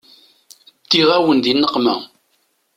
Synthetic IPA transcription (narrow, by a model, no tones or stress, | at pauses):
t̪ːiʁæwənd̪inːəqːmæ